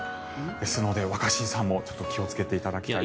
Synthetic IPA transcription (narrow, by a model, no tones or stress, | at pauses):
d̪e̞sɨno̞d̪e̞βakaɕĩɰ̃sãmːo̞t͡ɕo̞̥t̪ːo̞kʲio̞t͡sɨ̥ke̞t̪e̞it̪ad̪akʲt̪ai